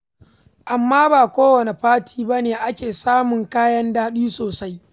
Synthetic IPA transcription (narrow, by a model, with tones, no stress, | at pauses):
ʔa˨mːaː˦baː˨kʷoː˦wɐ˨ne˨ɸaː˦tʰiː˦ba˦neː˨ʔa˦kʲeː˨saː˦mʊ˨ŋkaː˦jɐ˦ndaː˦ɗiː˦soː˨sa˦j